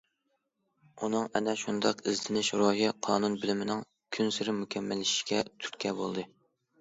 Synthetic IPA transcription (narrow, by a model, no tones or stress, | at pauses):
unɨŋɛnɛʃund̪ɑqɪzlɪnɪʃɾoɦiqʰɑːnunbɪlɪmɪnɪŋ | kʲʰynsɪɾɪmukʲʰɛmːɛlːɪʃʃkʲɛt̪ʰy̥ɾkʲʰɛbolˠd̪ɨ